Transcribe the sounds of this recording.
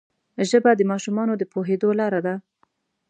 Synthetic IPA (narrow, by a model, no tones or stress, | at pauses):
ʒəbad̪əmɑʃumɑnod̪əpoɦed̪olɑɾad̪a